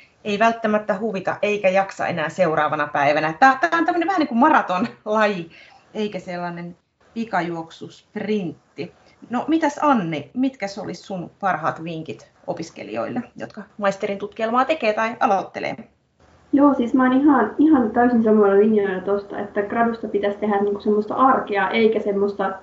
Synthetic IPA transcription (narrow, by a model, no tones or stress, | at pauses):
eiʋælt̪ːæmæt̪ːæhuʋit̪ɑ̰ʔʔeikæjɑksɑ̰ḛnæːseurɑːʋɑnɑpæiʋænæt̪æːt̪æːont̪æmːøneʋæhæniŋkummɑrɑt̪onlɑji | eikæselːɑnen | ʋikɑjuoksusprint̪ːi | nomit̪æsɑnːimit̪kæsolissunpɑrhɑ̰ːt̪ʋiŋkit̪ | ʔo̰piskḛlḭo̰ilːejo̰t̪kɑmɑist̪erint̪ut̪kielmɑːt̪ekeːt̪ɑiɑlot̪ːḛlḛː | joːsiːsmæoːnihɑnihɑnt̪æysinsɑmːonelinjonɑt̪ost̪ɑ̰ḛt̪ːækrɑdust̪ɑpit̪æst̪eɦæniːŋku̥semːost̪ɑ̰ʔɑrkeɑːʔeikæsemːost̪ɑ